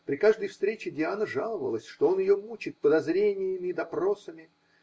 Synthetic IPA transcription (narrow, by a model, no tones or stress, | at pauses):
pɾʲɪkaʐd̪əjfst̪ɾʲet͡ɕɪdʲɪanəʐalˠəvə̰lˠəsʲʂt̪o̞o̞njɪjo̞mut͡ɕɪt̪pəd̪ɐzɾʲenʲɪjɪmʲɪːd̪ɐpro̞səmʲɪ